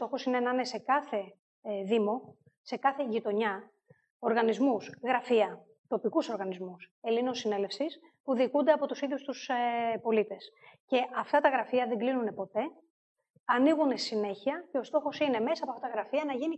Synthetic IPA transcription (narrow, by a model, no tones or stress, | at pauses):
t̪o̞xo̞sine̞nɐne̞se̞kɐθe̞ | ðimo̞ | se̞kɐθe̞ʝit̪o̞ɲɐ | o̞ɾɣɐnizmusɣɾɐfiɐ | t̪o̞pikuso̞ɾɣɐnizmuse̞linosːine̞le̞fsis | puðikund̪e̞ɐpo̞t̪usiðjust̪usepo̞lit̪e̞sce̞ʔɐft̪ɐt̪ɐɣɾɐfiɐðe̞ɡlinune̞po̞t̪e̞ | ɐniɣunessine̞çiɐce̞o̞st̪o̞xo̞sine̞me̞sɐɐpoɐft̪ɐt̪ɐɣɾɐfiɐnɐʝini